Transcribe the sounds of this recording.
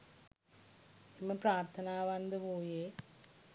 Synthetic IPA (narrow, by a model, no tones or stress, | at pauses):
imːɐpɾaːɾt̪ʰɐnaːʋɐnd̪ɨpoːjeː